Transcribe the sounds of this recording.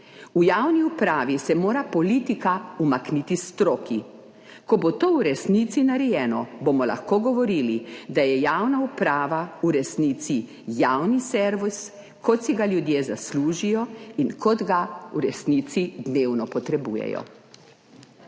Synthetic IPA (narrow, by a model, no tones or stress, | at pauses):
ujawniupɾaːʋisɛmoːɾapɔlit̪ikaumaknit̪ist̪ɾoːkʰi | kɔbot̪oːwɾɛsnit̪sinaɾɛjɛːnɔbomɔla̰xkoːɡɔʋɔɾilid̪ajɛjaːwnaupɾaːʋauɾɛsniːt̪si | jawnisɛɾʋus | kɔt̪siɡaljud̪jezasluːʒijɔinkɔd̪ɡauɾɛsniːt̪sid̪neːwnɔpɔt̪ɾɛbṵːjɛ̰jɔ̰